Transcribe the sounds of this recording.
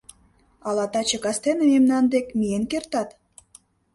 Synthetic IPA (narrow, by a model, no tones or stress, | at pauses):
ɑlɑt̪ɑt͡ɕə̆kɑst̪enəmemnɑnd̪ekmijenkert̪ɑt̪